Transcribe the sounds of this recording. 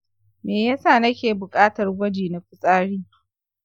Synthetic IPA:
meː˨jaː˦saː˦˨nɐ˦kʲeː˨bʊ˨kʼaː˦tɐ˨rɡʷɐ˦d͡ʒiː˨na˨kʷʊ˦sʼaː˦ɽiː˦

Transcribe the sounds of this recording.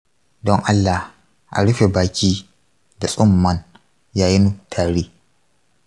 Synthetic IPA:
dɔ˦ŋʔa˦lːa˨h | ʔa̰˨ɽʊ˦ɸe˨baː˨kʲiː˦ | da˨sʼʊ˦mːɐ˦n | jaː˦jɪ˦nu˦tʰaː˨ɽiː˦

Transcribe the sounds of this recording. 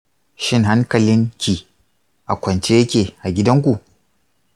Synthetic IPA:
ʃɪ˦ŋɦa˦ŋkɐ˨lɪ˦ŋkʲi˨ | ʔa˨kʷɐ˨nt͡ʃe˦jɐ˦kʲeː˨ʔa˨ɡʲɪ˦dɐ˦ŋkʷu˨ʔ

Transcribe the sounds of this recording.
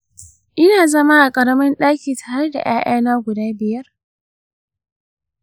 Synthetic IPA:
ʔɪ˦naː˨zɐ˦ma˦ʔa˨kʼɐ˨ɾɐ˦mɐ˦nɗaː˦kʲiː˨tʰaː˨ɾe˦da̰˨j̰aː˦ʔaː˦naː˦ɡʷʊ˨daː˦bɪ˨jɐ˦r

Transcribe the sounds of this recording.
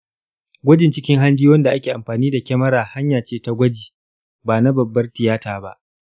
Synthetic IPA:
ɡʷɐ˦d͡ʒɪ˨nt͡ʃɪ˦kʲɪ˦ŋɦa˦nd͡ʒiː˦wɐ˦nda˨ʔa˦kʲeː˨ʔa˨mɸaː˨niː˦da˨kʲɛ˦mɐ˦ɾaː˨ha˦ɲjaː˨t͡ʃeː˦ta˦ɡʷɐ˦d͡ʒiː˨ | baː˨na˦bɐ˨bːɐ˦rtɪ˨jaː˦taː˨ba˦ʔ

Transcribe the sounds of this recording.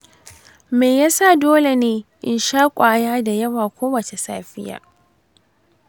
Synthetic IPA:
meː˨jaː˦sa˦˨doː˦le˨neː˦ʔɪ˨nʃaː˦kʷʼaː˨jaː˦da˨jɐ˦waː˨kʷoː˦wɐ˨t͡ʃe˨sa̰ː˦ɸɪ˦ja̰ː˨

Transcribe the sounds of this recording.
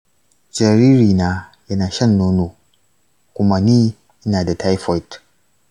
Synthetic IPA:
d͡ʒɐ˨ɾiː˦ɾiː˨naː˦jɐ˦naː˨ʃɐ˦˨nːoː˦noː˨ | kʷʊ˦ma˦niː˦ | ʔɪ˦naː˨da˨ta˦jfɔ˦jt

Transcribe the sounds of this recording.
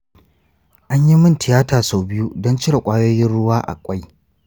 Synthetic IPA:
ʔa˦ɲji˦mɪ˦ntɪ˨jaː˦taː˨so˨bɪ˦ju˦dɔ˦nt͡ʃɪ˦ɽa˨kʷʼaː˦joː˦jɪ˦nɽʊ˦waː˦ʔa̰˨kʷʼa˦j

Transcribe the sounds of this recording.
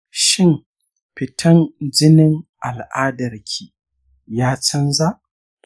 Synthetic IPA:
ʃɪ˦m | ɸɪ˨tʰɐ˦nd͡ʒɪ˦nɪ˦ŋʔa˨lʔaː˦dɐ˨rkʲʰiː˨ | jaː˦t͡ʃɐ˦nza˦ʔ

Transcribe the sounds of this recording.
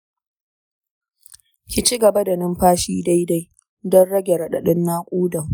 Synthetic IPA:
kʲi˨t͡ʃi˦ɡɐ˨ba˦da˨nɪ˦mɸaː˦ʃiː˦da˦jda˦j | dɔ˦nɽɐ˦ɡʲe˨ɾɐ˨ɗɐ˨ɗɪ˦nːaː˦kʷʼuː˦dɐ˨ŋ

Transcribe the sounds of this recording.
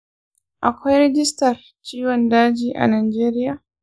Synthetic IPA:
ʔa˨kʰʷa˦jɾɛd͡ʒi˦staɾ | t͡ʃiː˦wandaː˦d͡ʒiʔa̰˨na˨jd͡ʒɛːɾi˦ja

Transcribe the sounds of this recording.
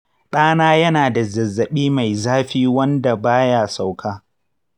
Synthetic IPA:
ɗaː˦naː˦jɐ˦naː˨da˨zɐ˨zːɐ˨ɓiː˦ma˨jzaː˦ɸiː˦wɐ˦nda˨baː˦jaː˨sa˨wkʰaː˦

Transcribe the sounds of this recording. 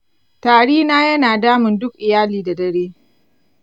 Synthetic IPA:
taː˨ɽiː˦naː˦jɐ˦naː˨daː˦mɪ˨ndʊ˦kʔɪ˨jaː˦liː˨da˨dɐ˨ɽeː˦

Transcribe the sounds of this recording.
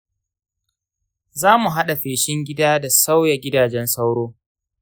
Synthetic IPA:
zaː˦mu˨ɦa˦ɗa˨ɸeː˨ʃɪ˦ŋɡʲɪ˦daː˦da˨sa˦wja˨ɡʲɪ˦daː˨d͡ʒɛ˦nsa˦wɽoː˦

